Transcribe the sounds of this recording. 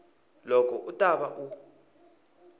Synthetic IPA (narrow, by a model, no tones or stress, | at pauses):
lɔkʰɔʔutʼaɓaʔu